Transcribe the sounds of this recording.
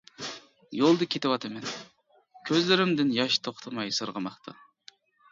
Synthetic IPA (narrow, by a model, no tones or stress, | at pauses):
jolˠd̪ɨkʲʰet̪ɪwɑt̪ʰɨmɛn | kʲʰøzlɪɾɪmd̪ɪnjɑʃt̪ʰoχt̪ʰɑmɑjsɨɾʁəmɑχt̪ʰɑ̰